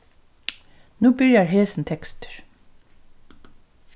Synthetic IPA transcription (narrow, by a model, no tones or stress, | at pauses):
nuːbɪɹjaɹɦeːsnt̪ʰɛkst̪ə̥ɹ